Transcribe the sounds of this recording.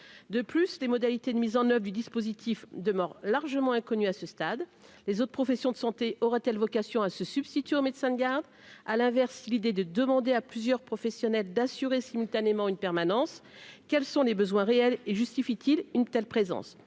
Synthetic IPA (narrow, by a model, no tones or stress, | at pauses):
d̪əplyslemɔd̪alit̪ed̪əmizɑ̃nœvʁd̪yd̪ispozit̪ʰifd̪əmœʁlaʁʒəmɑ̃ɛ̃kɔnyasəst̪ad̪lezot̪χpχɔfɛsjɔ̃d̪əsɑ̃t̪eʔɔʁɛt̪ɛlvɔkasjɔ̃asəsyb̥st̪it̪ɥeomed̪sɛ̃d̪əɡʲaʁd̪ | alɛ̃vɛʁsːilid̪ed̪əd̪əmɑ̃d̪eaplyzjœʁpχɔfɛsjɔnɛld̪asyʁesimylt̪anemɑ̃ynpɛʁmanɑ̃s | kʲɛlsɔ̃lebəzwɛ̃ʁeɛleʒyst̪ifit̪ʰilynt̪ɛlpχezɑ̰̃s